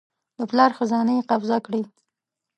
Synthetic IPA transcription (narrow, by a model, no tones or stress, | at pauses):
d̪əplɑɾxazɑnajqawzakɽi